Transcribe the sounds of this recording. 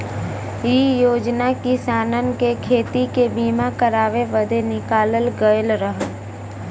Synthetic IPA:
iːjoːd͡ʒnakisaːnənkekʰeːt̪ikebiːmakəɾaːʋeʋəd̪enɪkaːləlɡəjəlɾəɦə

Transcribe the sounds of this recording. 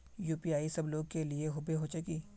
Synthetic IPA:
juːpiaːisɐbloːɡ̚kelieɦʊbeɦot͡ʃʊkiː

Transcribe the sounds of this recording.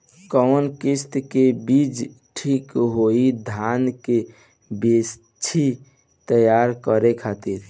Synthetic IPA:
kɔwnkist̪kebid͡ʒ | ʈʰikɦoid̪ʱanke | bes | t͡ʃʰi | t̪əjaɾkəɾekʰat̪iɾ

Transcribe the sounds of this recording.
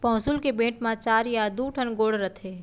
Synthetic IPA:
pɔ̃ːsʊlkebẽːʈmãt͡ʃaːɾjad̪uʈʰənɡoːɽɾət̪ʰeː

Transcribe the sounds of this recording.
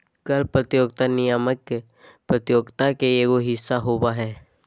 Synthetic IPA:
kɐlpɾət̪joːɡ̚t̪anɪjaməkːe | pɾət̪joːɡt̪akeeɡoɦɪsːaɦoːbaɦɛː

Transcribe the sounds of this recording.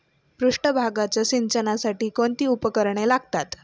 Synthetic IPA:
pɾuʂʈəbʱaɡat͡ɕjaɕint͡ɕənasaʈiːkoɳt̪iːupəkəɾɳelaɡt̪at̪

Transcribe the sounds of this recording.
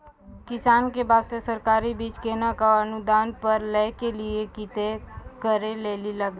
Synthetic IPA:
kɪsaːnkebaːst̪esəɾkaːɾibiːt͡ʃkeːnakaənud̪aːnpəɾlɛkeliekit̪ekəɾeleːliləɡ

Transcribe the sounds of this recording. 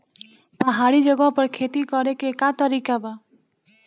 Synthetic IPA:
pəɦaɽid͡ʒəɡɔ̃pəɾkʰet̪ikɔɾekekat̪ɔɾikaba

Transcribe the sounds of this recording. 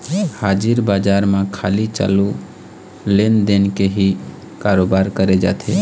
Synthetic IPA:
haːd͡ʒiɾbaːd͡ʒaːɾmãkʰa̰ːlit͡ʃa̰ːlu | lend̪enkeɦi | kaɾoːbaːɾkəɾed͡ʒa̰ːt̪ʰe

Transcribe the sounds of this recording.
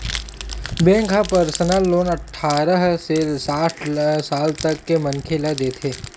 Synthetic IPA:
bẽːŋkʰapəɾsənalːoːnɐʈʰːaːɾəɦsesaːʈʰsaːlt̪ɐkːemɐ̃nkʰelɐd̪eːt̪ʰeː

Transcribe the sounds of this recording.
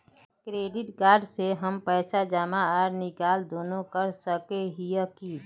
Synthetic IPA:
kɾeːɖɪʈkaːɾɖseɦəmpəːsad͡ʒaːmaaɾnɪkaːld̪oːnõkəɾsəkeɦiəki

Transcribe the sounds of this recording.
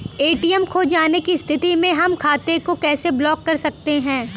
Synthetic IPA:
eːʈiːɛmkʰod͡ʒaːnekist̪ʰɪt̪imẽɦɐmkʰaːt̪ekokɛːseblɔːkːɐɾsɐk̚t̪eɦɛ̃ː

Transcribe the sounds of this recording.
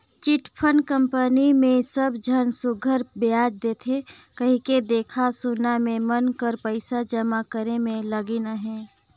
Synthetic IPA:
t͡ʃiʈpʰənkəmpənimẽsəbd͡ʒʱənsʊɡʱəɾbɪaːd͡ʒd̪eːt̪ʰe | kəɦĩked̪eːkʰasʊnamẽmənkəɾpəɪsad͡ʒəmakəɾemẽləɡinaɦɛ̃ː

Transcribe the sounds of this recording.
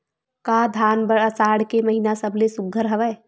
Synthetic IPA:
kad̪ʱaːnbəɽəsaːɽkeməɦinasəblesuɡʱːəɾɦəʋɛː

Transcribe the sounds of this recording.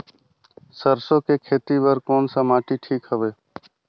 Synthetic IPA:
səɾsõːkekʰeːt̪iːbəɾkoːnsəmaːʈiʈʰiːkɦəʋeː

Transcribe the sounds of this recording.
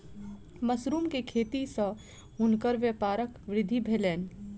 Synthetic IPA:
məsɾuːmkekʰeːt̪isə | ʊnkəɾʋjəpaːɾəkʋɾɪd̪ʱibʱelɛːn

